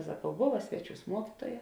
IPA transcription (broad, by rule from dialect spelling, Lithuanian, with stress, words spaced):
sɐˈkɐʊ ˈboːʋɐ ˈsʲʋʲæːˌt͡ʃʲuːs ˈmuɔkʲɪtuɔjɛ